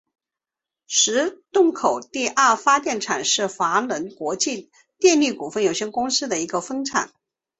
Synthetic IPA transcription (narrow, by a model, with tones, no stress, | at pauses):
ʂɻ̩˧˥t̪ʊ˥˩ŋkʰo˨˩ʊt̪i˥˧ʔɐ˞˥˩fa˥t̪jɛ˥˩nʈ͡ʂʰa˨˩nʂɻ̩˥˩fa˧˥lə˧˥nkwɔ˧˥t͡ɕi˥˧ | t̪jɛ˥˧nli˥˩ku˨˩fə˥˩njo˨˩ɕjɛ˥nkʊ˥ŋsɹ̩˥d̪ə˨i˧˥ɡə˧fɤ˥ŋʈ͡ʂʰa̰˨˩˦n